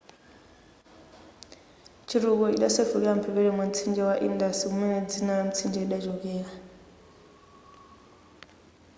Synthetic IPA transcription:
t͡ʃʰiɾuk̬ɔḭɗasefukɛam̩pʰɛβɛɺɛmam̩t͡sʰind͡ʒɛwaʔḭndasiumɛnɛd͡zinaɺam̩t͡sʰind͡ʒɛiɗad͡ʒɔk̬ɛːɺa

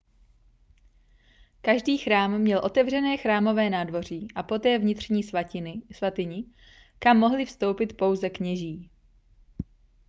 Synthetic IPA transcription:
kaʒdiːxɾaːmːɲɛlʔo̞t̪ɛvrɛnɛːxɾaːmo̞vɛːnaːdvo̞r̝iːʔapo̞t̪ɛːvɲɪt̪r̝̥ɲiːsvat̪ɪɲɪ | kamːo̞ɦlɪfst̪o̞wpɪt̪po̞wzɛkɲɛʒiː

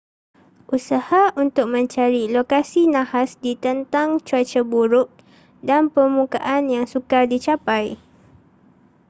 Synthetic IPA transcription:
ʔusahaunt̪ʊk̚mə̃ɲt͡ʃaɾilokasinãhasdit̪ənt̪aŋt͡ʃuat͡ʃabuɾʊk̚ | danpərmukaʔanjaŋsukadit͡ʃapaj

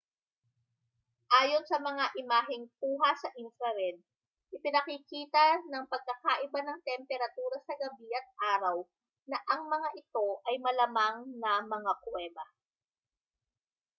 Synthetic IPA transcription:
ʔaːjo̞nsɐmɐŋaʔɪmaːɦɪŋp̚uːɦɐsɐʔɪnfɾɛɾɛd̪̚ | ʔɪpɪnɐkɪkiːt̪ɐnɐŋpɐɡ̚kɐkaʔɪbanɐŋt̪ɛmpɛɾɐt̪uːɾɐsɐɡɐbiʔɐt̪̚ʔaːɾɐw | nɐʔɐŋmɐŋaʔɪt̪o̞ʔɐjmɐlɐmaŋnɐmɐŋakwɛːbɐ

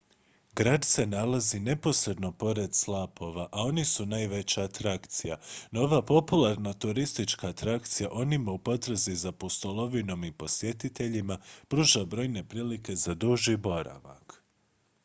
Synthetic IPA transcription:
ɡɾaːd̪se̞nalazine̞po̞sɾe̞d̪no̞po̞ɾe̞d̪slˠaːpo̞ʋaʔao̞nisunajʋe̞t͡ɕaːt̪ɾakt̪sija̰nooʋapo̞pulaɾnat̪uɾist̪it͡ʃkaːt̪ɾakt̪sijaʔo̞nimaupo̞t̪ɾ̩zizapost̪olˠo̞ʋino̞mipo̞sje̞t̪it̪e̞ʎimapɾuːʒabɾo̞jne̞pɾiːlike̞zad̪uʒibo̞ɾa̰ʋa̰k

